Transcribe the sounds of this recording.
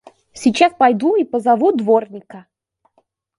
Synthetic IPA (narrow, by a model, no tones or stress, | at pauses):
sʲɪt͡ɕaspajd̪uipəzavud̪vornʲɪkə